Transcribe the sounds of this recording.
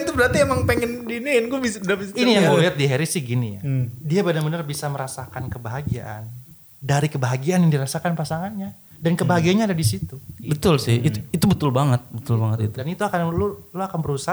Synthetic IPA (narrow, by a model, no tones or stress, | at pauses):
nt̪ubəɾart̪iemaŋpeŋɛndininɡubisdabisinijaŋliat̪̚diɦeɾisɪhɡinijadiabədaŋbənərbisaməɾasakankəbaɦaɡia̰ʔan | daɾikəbaɦaɡianjaŋdiɾasakanpasaŋanɲa | dankəbaɦaɡianɲaːdadisit̪ubət̪ʊlsɪhit̪it̪ubət̪ʊlbaŋət̪̚bət̪ʊlbaŋət̪it̪udanit̪uakanloloakanbəɾusa